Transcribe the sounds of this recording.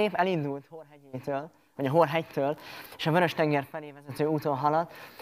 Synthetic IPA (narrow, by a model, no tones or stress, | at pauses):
eːpɛlind̪ult̪horɦɛɟeːt̪øːl | vɒɟɒɦorɦɛct̪øːleːʃɒbøɾø̞ʃt̪ɛŋɡɛrfɛleːvɛzɛt̪øːuːt̪onɦɒlɒt̪ː